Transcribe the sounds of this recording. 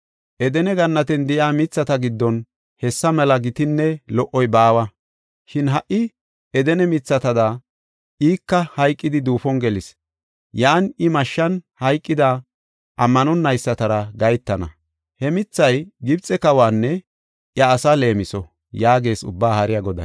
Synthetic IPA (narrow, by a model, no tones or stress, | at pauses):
ʔɛd̪ɛnɛɡɐnːɐt̪ɛnd̪ɪjaːmɪt͡sːɐt̪ɐɡɪd̪ːɔn | hɛsːɐmɛlɐɡɪt̪ɪnːɛlɔʔːɔjbaːwɐ | ʃɪnɦɐʔːɪ | ɛd̪ɛnɛmɪt͡sːɐt̪ɐd̪ɐ | ʔiːkːɐhɐjkʼːɪd̪ɪd̪uːfɔnɡɛlɪs | jaːnɪmɐʃːɐnhɐjkʼːɪd̪ɐ | ʔɐmːɐnɔnːɐjsːɐt̪ɐɾɐɡɐjt̪ːɐnɐ̰ | hɛmɪt͡sːɐjɡɪbt͡sʼɛkɐwaːnːɛ | ʔjɐːsɐle̞ːmɪsɔ | jaːɡe̞ːsʊ̰bːaːhɐɾɪjaɡɔd̪ɐ̰